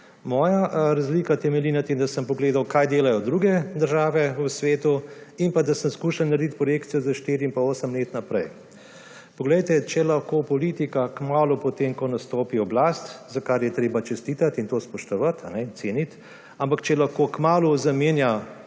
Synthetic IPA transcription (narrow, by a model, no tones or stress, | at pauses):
mɔːjaɾazliːkat̪ɛmɛlinat̪emd̪asəmpɔɡleːd̪awkajd̪eːlajɔd̪ɾuɡɛd̪əɾʒaːʋɛəsʋeːt̪uimpad̪asəmskuːʃalnaɾd̪it̪̚pɾɔjeːkt̪sijɔzaʃt̪eːɾiinpaoːsəmleːt̪napɾɛj | pɔɡlɛjt̪ɛt͡ʃɛlɐxkoːpɔlit̪ikakmaːlupɔt̪emkɔnast̪oːpiɔblast̪zakaɾjɛt̪ɾeːbat͡ʃɛst̪it̪at̪int̪oːspɔʃt̪ɔʋat̪ʰa̰nɛintseːnit̪ | ampakt͡ʃɛlɐxkoːkmaːluzɐmeːnja